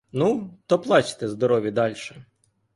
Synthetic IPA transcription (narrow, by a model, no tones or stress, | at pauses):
nut̪ɔplˠɑt͡ʃɪ̥t̪ɛzd̪ɔɾɔʋʲid̪ɑlʲʃɛ